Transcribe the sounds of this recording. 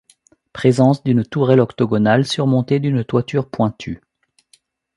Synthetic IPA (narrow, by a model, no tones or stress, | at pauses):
pχezɑ̃sd̪ynt̪uʁɛlɔkt̪ɔɡɔnalsyʁmɔ̃t̪ed̪ynt̪wat̪yʁpwɛ̃t̪ʰy